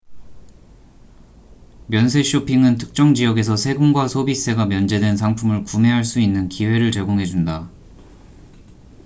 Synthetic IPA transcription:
mjʌnsʰe̞ɕʰopʰiŋɯntʰɯ̥k̚t͡ɕ͈ʌŋd͡ʑijʌɡe̞s̬ʰʌsʰe̞ɡɯmɡwasʰobis͈ʰe̞ɡamjʌnd͡ʑe̞dwe̞nsʰaŋpʰumɯɭkume̞ɦaɭs͈uinːɯnkiwe̞ɾɯɭt͡ɕe̞ɡoŋɦe̞d͡ʑunda

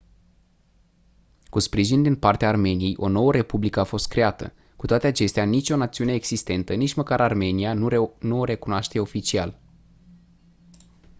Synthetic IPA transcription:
kuspɾiʒind̪inpart̪eaːrme̞nije̞jʔo̞no̞wəɾe̞publikəafo̞st̪̚kɾe̞at̪ə̰ | kut̪oat̪e̞at͡ʃe̞st̪eanit͡ʃʲo̞nat̪siune̞ːɡsist̪e̞nt̪ənit͡ʃʲməkaɾarme̞nianuɾe̞kunoaʃt̪eo̞fit͡ʃial

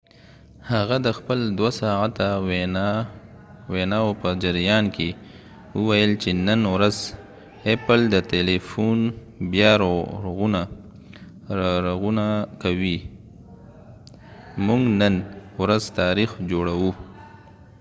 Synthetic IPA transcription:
haɣad̪əxpəld̪wasɑʕat̪awe | wenɑopəd͡ʒaɾjɑnkʰe | wəwajəlt͡ʃenənwɾaz | epəld̪ət̪elefun | bjɑɾoɣuna | ɾaɣunakawi | muŋɡnənwɾazt̪ɑɾixd͡ʒoɽawu

